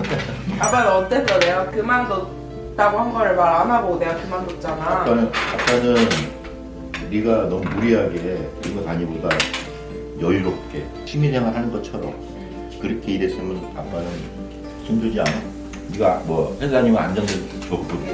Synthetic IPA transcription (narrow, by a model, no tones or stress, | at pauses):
kamanʌt͈et͈ːʌneakɯmandot | t͈aɡohanɡʌɾɯɭmaɾanaboɡidejakɯmandot̚t͡ɕ͈anak͈anɯnap͈ːanɯn | niɡanʌmumuɾiɦaɡeiɡʌtaɲiboda | jʌjuɾop̚k͈e̞ | t͡ɕʰimisʰeŋɦaɭɦanɯnɡʌt͡ɕʰʌɾʌ̰m | kɯɾʌkʰe̞iɾeɕʰimɯna̰p͈ːanɯn | sʰond͡ʑod͡ʑia̰nɯ | niɡamwʌsʰensʰaɲimɯa̰nd͡ʑʌŋdɯ | pʌk̚k͈u